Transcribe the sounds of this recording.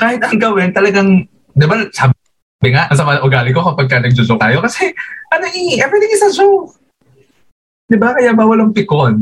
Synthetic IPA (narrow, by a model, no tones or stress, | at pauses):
kaːhɪt̪̚ʔɐŋɡɐwɪnt̪ɐlɐɡaŋ | d̪ɪbasaːb | bɪŋaʔɐs̬ɐmɐʔʊɡaːlɪko̞kɐpɐɡ̚kɐnɐɡ̚d͡ʒʊzok̚t̪aːjo̞kɐsɛʔɐnɐŋiŋiʔɐpɛːd̪ɪŋɪsɐzo | d̪ɪbakɐjabawɐlɐŋpɪkon